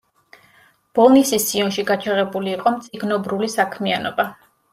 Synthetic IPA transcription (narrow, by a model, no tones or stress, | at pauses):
b̥ɔlˠnisisiɔnʃiɡat͡ʃʰaʁɛbuliːqʼɔmt̪sʼiɡnɔbɾulisakʰmianɔba